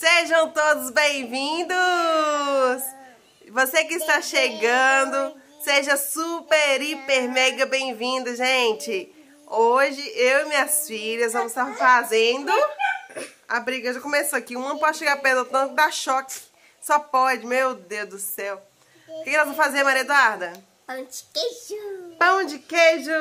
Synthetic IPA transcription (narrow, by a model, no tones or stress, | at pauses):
seʒɐ̃w̃t̪od̪ʊzbẽj̃vĩnd̪ʊ | s | vosekɪːst̪aʃeɡɐ̃d̪ʊ | seʒɐsupeɾipeɾmɛɡɐbẽj̃vĩnd̪ɐʒẽt͡ʃɪ | oʒɪʔewɪmĩɲɐsfiʎɐzvɐ̃mʊzɪst̪aɾfazẽnd̪ʊ | abɾiɡɐʒakõmesoakiũɐ̃ñpɔd͡ʒɪʃeɡaɾpezɐt̪ɐ̃kɪd̪aʃɔkɪ̥ | sɔpɔd͡ʒɪmewd̪ewzd̪ʊsɛw | ʊkekːãvɐ̃w̃fazeɾmaɾiɐd̪uaɾd̪ɐ | pɐ̃d͡ʒi̥ked͡ʒupɐ̃d͡ʒɪkeʒʊ